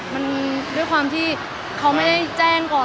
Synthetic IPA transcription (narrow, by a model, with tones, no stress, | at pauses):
ma˧ndu˥˩əjkʰwaː˧mt̪ʰiː˥˩ | kʰa˦˥wma˥˩jda˥˩jt͡ɕɛː˥˩ŋkɔː˨˩